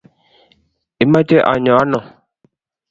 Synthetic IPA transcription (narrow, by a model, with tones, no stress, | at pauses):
i˨mã˦t͡ʃe˦ʔa̰˨ɲɔ̃˨a˦nɔ̃˨